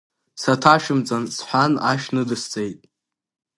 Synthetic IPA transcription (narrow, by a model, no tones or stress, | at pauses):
satʰaʃɪmt͡sʼansħʷanaʃnɨdɨst͡sʼejtʼ